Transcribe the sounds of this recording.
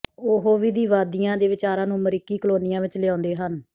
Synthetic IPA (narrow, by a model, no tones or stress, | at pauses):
oːɦoːʋiːd̪iːʋaːd̪ijãːd̪eːʋɪt͡ʃaːɾãːnũːməɾɪkːiːkəloːnɪjãːʋɪt͡ʃlɪãːnd̪eːɦən